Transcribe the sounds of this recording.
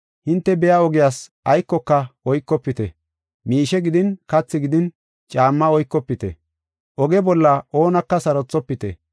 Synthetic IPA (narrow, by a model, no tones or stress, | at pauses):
hɪnt̪ːɛbɛjaɔɡɪjaːsʔɐjkːɔkːɐɔjkːɔpːɪt̪ɛ̰ | miːʃɛɡɪd̪ɪnkɐt͡sːɪɡɪd̪ɪn | t͡ʃʼaːmːɐɔjkːɔpːɪt̪ɛ̰ | ʔɔɡɛbɔlːɐʔoːnɐkːɐsɐɾɔt͡sːɔpːɪt̪ɛ̰